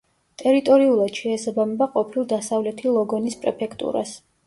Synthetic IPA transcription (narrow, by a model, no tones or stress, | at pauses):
t̪ʼɛɾit̪ʼɔɾiulˠad̪̥ʃɛːsabamɛbaqʼɔpʰilˠd̪asavlɛt̪ʰilˠɔɡɔnispʼɾɛpʰɛkʰt̪ʼṵɾa̰s